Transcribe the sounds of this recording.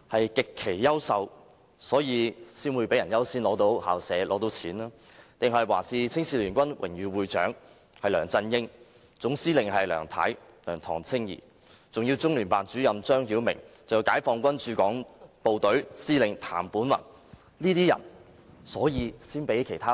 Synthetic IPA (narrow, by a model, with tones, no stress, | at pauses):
hɐ˨jkɪ˨kʰːe˨˩jːɐ˥wsɐ˨w | sɔː˨˥jiː˨˧siː˥nwuː˨˧jpe˨˥jɐ˨˩njɐ˥wsiː˥nlɔː˨˥t̪o˨˥wha̰ː˨wsɛː˨˧lɔ̰ː˨˥t̪o˨˥wt͡sʰiː˨˥naː˥t̪ɪ˨ŋɦɐ˨jwa̰ː˨˩siː˨˧t͡sʰɪ˥ŋsiː˧˥lyː˨˩nkʷɐ˥nwɪ̰˨˩ŋjyː˨wuː˨jt͡ʃœ̰ː˨˥ŋ | hɐ˨jlœː˨˩ŋt͡sɐ˧njɪ˥ŋ | t͡sʊ˨˥ŋsiː˥lɪ˨ŋhɐ˨jlœ̰ː˨˩ŋt̪ʰɐ̰˨˥j | lœː˨˩ŋt̪ʰɔː˨˩ŋt͡sʰɪ˥ŋjḭː˨˩ | t͡sʊ˨ŋjiː˧wt͡sʊ˥ŋlyː˨˩npaː˨nt͡ʃyː˨˥jɐ˨mt͡ʃœː˥ŋɦiː˨˥wmɪ̰˨˩ŋt͡sɐ˨˧ji˧wkaː˨˥jfɔː˧ŋkʷɐ˥nt͡ʃyː˨˥kɔ̰ː˨˥ŋpo˨wt̪ɵ˨˥ɥsiː˥lɪ˨ŋt̪ʰa̰ː˨˩mpuː˨˥nwɐ̰˨˩n | liː˥t̪iː˥jɐ̰˨˩n | sɔː˨˥jiː˨˧siː˥npe˨˥jkʰe˨˩jt̪ʰaː˥